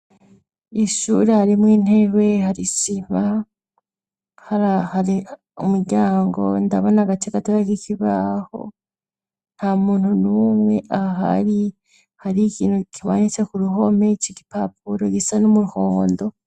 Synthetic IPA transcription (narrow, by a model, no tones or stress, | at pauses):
iʃuːɾehaɾimwiːn̥e̞ɾwe̞haɾisim̥a | haɾahaɾi | umuɾɟaːŋɡo̞̰nda̰βo̞naɡat͡ʃeɡatoɾakikiβaho̞̰ | n̥hamuːntunumwe̞ʔaɦa̰ɾi | haɾikiːnukiβa̰ːnit͡se̞kuɾuɦo̞meciki̥papuɾoɡisanomuɾuhoːndo̞